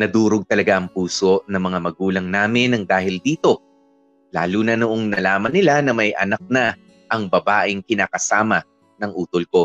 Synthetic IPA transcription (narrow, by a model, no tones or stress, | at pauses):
nɐd̪uːɾoɡ̚t̪ɐlɐɡaʔɐŋpuːso̞ʔnɐŋmɐŋamɐɡuːlɐŋnaːmɪnɐŋd̪aːhɪld̪iːt̪o̞ | la̰ːluːnɐnoʔoŋnɐlaːmɐnɪlanɐmɐjʔɐ̰nɐk̚nɐ | ʔɐŋbɐbaːʔɪŋkɪnaːkɐsaːmɐ | nɐŋʔuːt̪olko̞